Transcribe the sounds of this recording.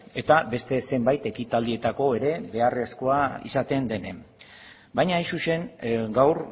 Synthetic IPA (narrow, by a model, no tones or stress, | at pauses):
e̞t̪abe̞st̪e̞se̞mbajt̪e̞kit̪ald̪ie̞t̪ako̞e̞ɾe̞be̞are̞sko̞aḭsat̪e̞nd̪e̞ne̞m | bajɲaisuʃe̞ŋɡawɾ